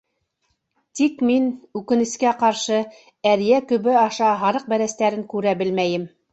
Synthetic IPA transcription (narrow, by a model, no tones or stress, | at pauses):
t̪ikminʉkɘ̆nɘ̆skæqɑɾʃɤ | æɾjækɵ̆βɘɑʃɑɦɑɾɤq̚bæɾæst̪æɾɘŋkʉɾæbɘlmæjɘm